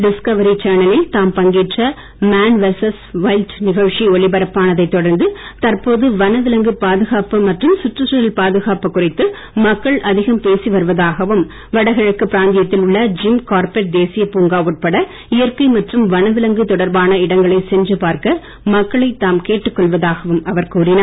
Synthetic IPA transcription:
ɖɪskɐʋɐɾit͡ʃaːnɐlɪlt̪aːmpɐŋɡiːʈrɐ | maːnʋɛsɐsʋɐɪlʈnɪɣɐʋʂiɔɭɪbɐɾɐpːaːnɐðɐɪt̪ːɔɽɐɾnd̪ɯt̪ɐɾpoːðɯʋɐnɐʋɪlɐŋɡɯpaːðɯɣaːpɯmɐʈrɯmsʊʈrɯsɐɾɐlpaːðɯɣaːpɯkːʊrɪt̪ːɯ | mɐkːɐɭʔɐðɪɣɐmpeːsiʋɐɾɯʋɐðaːɣɐʋɯm | ʋɐɽɐɪɣɐɭɯkːɯpːɪɾaːnd̪ɪjɐt̪ːɪlʊɭːɐd͡ʒɪmkaːɾpɛʈ̚d̪eːsɪjɐpuːŋɡaːʋuʈ̚pɐɽɐ | ɪjɐɾkɐɪmɐʈrɯmʋɐnɐʋɪlɐŋɡɯt̪ɔɽɐɾbaːnɐɪɽɐŋɡɐɭɐɪsɛnd͡ʒrɯpaːɾkɐ | mɐkːɐɭɐɪt̪ːaːmkeːʈːɯkːɔɭʋɐðaːɣɐʋɯmɐʋɐɾkuːrɪnɐ

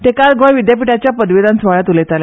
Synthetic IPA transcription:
t̪ekaɾɡʱɔjʋid̪japiʈat͡ɕjapəd̪ʋid̪ansʋaɭat̪ulet̪ala

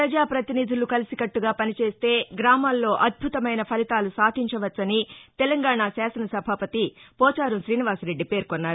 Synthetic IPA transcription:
ppɾɐd͡ʒaːpɾɐt̪iniːd̪ʱulukɐlisikɐʈːuɡaːpɐnit͡ʃe̞ːst̪e̞ːɡɾaːmaːlːo̞ːʔɐd̪̚bʱut̪ɐmɐjnɐpʰɐlit̪aːlusaːd̪ʰʱiɲt͡ʃɐʋɐt͡ʃːt͡sːɐnit̪ɛlɐŋɡaːɳasaːsɐnɐsɐbʱaːpɐt̪ipɔːt͡ʃaːɾumʃɾiːniʋaːsɾe̞ɖːipe̞ːɾkonːaːɾuu

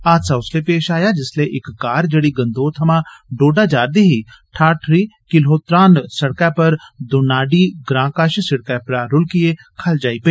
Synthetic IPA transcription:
aːt̪saʊslepeːʃaːjad͡ʒɪsleʔɪkːaːɾd͡ʒɐɽiɡɐ̃nd̪oːt̪ʰɐmãɖoːɖad͡ʒaːɾd̪iɦi | ʈʰaːʈʰɾiːkɪlɦoːt̪ɾaːnsɐɽkapɐɾd̪ʊnaːɖiɡɾãːkaːʃsɪɽkapɾaːɾʊlkie | kʰɐld͡ʒaːipɐ

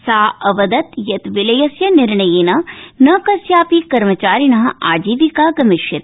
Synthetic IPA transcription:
saːɐʋɐd̪ɐt̪jɐt̪ʋɪlɐjɐsjɐnɪɾɳɐjeːnɐnɐkɐsjaːpikɐɾmɐt͡ʃaːɾinɐɦɐaːd͡ʒiːʋikaːɡɐmɪʃɐt̪̚

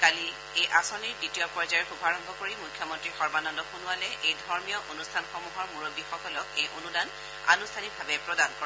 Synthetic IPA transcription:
kali | ejʔasɔniɹditijɔpɔɹzajɔɹxubʱaɹɔmbʱɔkoɹimukʰːjɔmɔntɹixɔɹbanɔndɔxunʊalɛʔejdʱɔɹmijɔʔonustʰanxɔmuɦɔɹmuɹoɡixɔkɔlɔkejʔonudan | a̰nustʰanibʱabɛpɹɔdankɔɹa

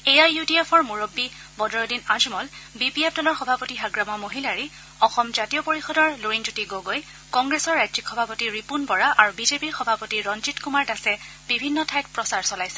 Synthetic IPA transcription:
ejajutiepʰɔɹmuɹobːi | bɔdɔɹɔdinazmɔlbipiɛp̚dɔlɔɹxɔbʱapotiɦaɡɹamamoɦilaɹi | ɔxɔmzatijɔpoɹixɔdɔɹluɹind͡ʒutiɡoɡoj | kɔŋɡɹɛsɔɹːajdzikxɔbʱapotiɹipunbɔɹaʔaɹubizepiɹxɔbʱapotiɹɔnzitkumaɹdasɛ | b̥ibʱinːɔtʰajk̚pɹɔsaɹsɔlajsɛ̥

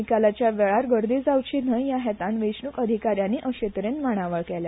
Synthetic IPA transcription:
ikalat͡ɕjaʋeɭaɾɡəɾd̪iːd͡zawt͡ɕiːn̤əjjaɦɛt̪ãnʋeɕnukəd̪ʱikaɾjanːiːʔəɕet̪ɾenmaɽ̃aʋəɭkɛlja

